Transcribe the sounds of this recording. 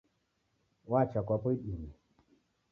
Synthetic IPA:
wat͡ʃakʷapuɗimi

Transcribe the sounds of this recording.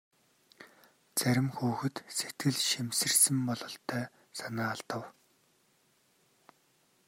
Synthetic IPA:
t͡sæɾʲɪ̆mxuːxɘ̆t̪set̪ɡɘ̆ɮʃimsɘ̆rsɘ̆mpɔɮɞ̆ɬt̪ʰːœː | sanaːɮt̪ə̆w

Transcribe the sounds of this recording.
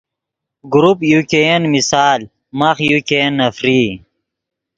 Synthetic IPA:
ɡuɾupjukeenmisaːl | mɐχjukenːɐfɾiː

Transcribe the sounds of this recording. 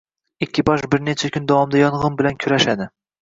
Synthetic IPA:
ɪkʲːɪbɒʃbɪɾnet͡ʃʰakʲʰʊnd̪ɒwɒmd̪ajɒnʁɨmbɪlankʲʰʊɾaʃad̪ɪ

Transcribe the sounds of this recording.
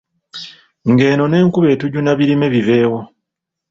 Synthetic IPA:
ŋɡe̞ːno̞ne̞ːŋkuβe̞ːtuɟunaβiɾime̞βive̞ːwo

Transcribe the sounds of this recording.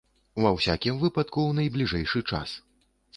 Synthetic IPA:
uvɐwsʲakʲimvɨpɐt̪̚kuwnɐjblʲiʐɛjʂɨt͡ʂa̰s

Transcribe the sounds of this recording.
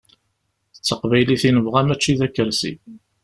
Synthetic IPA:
ət͡sːəqvæjliθinəvʁæmæt͡ʃːiðækːəɾsḭ

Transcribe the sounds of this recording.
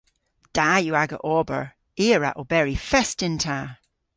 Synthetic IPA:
d̥ajəaɡə̰ʔɔbə̰ɹ | eɹa̰ʔobɛɹifɛstɪntʰa

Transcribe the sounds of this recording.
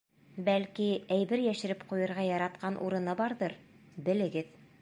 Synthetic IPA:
bælkiæjbɘɾjæʃɘ̆ɾɘpqujɤ̆ɾʁɑjɑɾɑt̪̚qɑnʔṵɾɤ̆nɤbɑɾðɤɾ | bɘ̆lɘ̆ɡɘð

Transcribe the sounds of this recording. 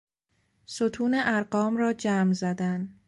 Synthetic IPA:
sot̪ʰuːneʔæɾɢɒːmrɒːd͡ʒæːmzæd̪æn

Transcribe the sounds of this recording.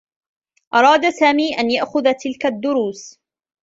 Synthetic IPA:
ʔɑɾˤɑːd̪asaːmiːʔanjaʔxʊðat̪ɪlkad̪ːʊɾuːs

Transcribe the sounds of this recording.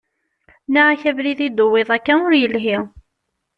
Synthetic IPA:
naʕæçævliðid̪ʊwːiðˤækːænʊɾjəlɦi

